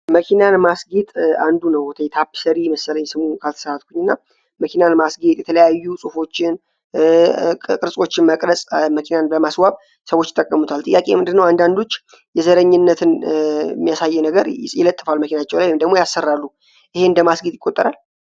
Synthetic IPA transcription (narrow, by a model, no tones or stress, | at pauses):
məkʰinanmasɡet̪ʼand̪unəwɔt̪ʰəjɛt̪ʰapːsəɾiməsələjɛsɨmukʰalt̪ʰə̥səɾat̪̚kʰuɲːɨnːa | məkʰinanmasɡet̪ʼjɛt̪ʰələjajːusʼufo̞t͡ʃːɪn | kʼɨɾsʼo̞t͡ʃːɪnməkʼɾəsʼməkʰinanbəmaswaβ | səwo̞t͡ʃːɪt̪ʼəkʼːəmut̪ʰalt̪ʼɨjːakʼe̞̰mɨnd̪ɨnːəwand̪and̪ot͡ʃː | jɛzəɾəɲːɪnːət̪ʰɨnmːijasajːɛnəɡəɾjɪlət̪ʼːɨfalməkʰinat͡ʃːɛwlajwemd̪əɡmojasːərːalːu | ʔɨhe̞ɨnd̪əmasɡit̪jɪkʼːot̪ʼːəɾal